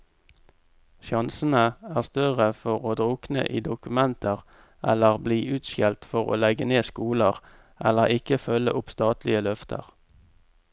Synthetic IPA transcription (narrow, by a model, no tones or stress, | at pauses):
ʃɑnsənəæːʁst̪œʁəfɔʁoːd̪ʁʊːknə̰ʔiːd̪ʊkʉmɛnt̪ʰəʁ | ʔɛləʁbliːʔʉːt̪ʃɛlt̪fɔʁo̰ːlɛɡəneːskuːləʁ | ʔɛləʁɪkəfœlə̰ʔʊpst̪ɑːt̪lɪəlœft̪ʰə̰ʁ